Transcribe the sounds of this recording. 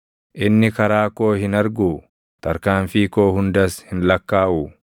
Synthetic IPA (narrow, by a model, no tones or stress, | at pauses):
ʔɪnːɪkɐɾaːko̞ːhɪnɐɾɡuː | t̪ɐɾkaːɱfiːko̞ːhʊnd̪ɐshɪnlɐkːaːʔuː